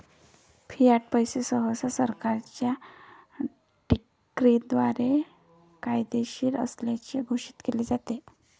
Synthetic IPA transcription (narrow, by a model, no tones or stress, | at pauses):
fʰijaʈ̚pəjsesəɦəsasəɾkaɾt͡ɕja | ʈi | kɾid̪ʋaɾe | kajd̪eɕiːɾə̰sljat͡ɕeɡʱoɕi̥ːt̪keled͡zat̪e